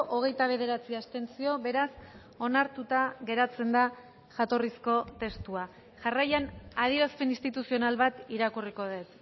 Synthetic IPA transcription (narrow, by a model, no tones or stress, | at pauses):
ʔoɣ̞e̞jt̪aβ̞e̞ð̞e̞ɾat͡siast̪e̞nt͡sio̞βe̞ɾas | o̞naɾt̪ut̪aɣe̞ɾat͡se̞nd̪a | ʝat̪o̞risko̞t̪e̞st̪ua | ʝarajanað̞iɾaspenist̪it̪usio̞nalβat̪iɾakuriko̞ðe̞t̪